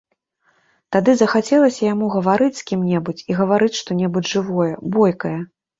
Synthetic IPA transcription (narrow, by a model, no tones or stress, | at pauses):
t̪ad̪ɨzɐxat͡sʲɛlˠɐsʲɐjamuɣɐvaɾɨt͡sʲsʲkʲimnʲɛbut͡sʲiɣɐvaɾɨt͡sʲʂt̪ɔnʲɛbud͡zʲʐɨvɔjɛbɔjkɐjɐ